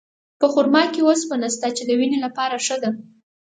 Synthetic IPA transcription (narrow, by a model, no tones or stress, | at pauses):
pəxʊɾmɑkewospənast̪at͡ʃed̪əwinelapɑɾaʂəd̪a